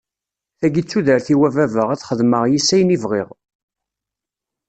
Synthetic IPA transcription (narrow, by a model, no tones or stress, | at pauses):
θæɡit͡sːuðəɾθiwævævəʁæt͡sχəðməʁjisːæjnivʁiʁ